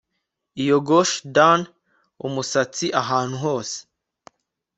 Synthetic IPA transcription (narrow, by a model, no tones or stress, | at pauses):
ijoɡoʃdan | ṵmusat͡siʔaɦaːn̥huɦo̞ːse̥